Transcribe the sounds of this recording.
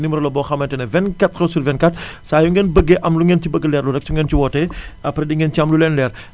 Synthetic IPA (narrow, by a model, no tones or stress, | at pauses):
nimɾolɐbɔxɐmɐntɛnɐvɛnkɐtkɐsuɾvɛnkatsaːjuŋɡɛnbəɡːeʔɐmluŋɡentibəɡːelɛːrluɾɛk̚suŋɡɛntiwɔtɛɐpɾɛdiŋɡɛnt͡ʃiɐmlulɛnlɛr